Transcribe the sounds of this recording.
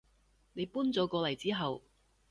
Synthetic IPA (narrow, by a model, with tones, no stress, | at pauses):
ne˨˧jpuː˥nt͡sɔː˨˥kɔː˨˧lɐ˨˩jt͡siː˥ɦɐ˨w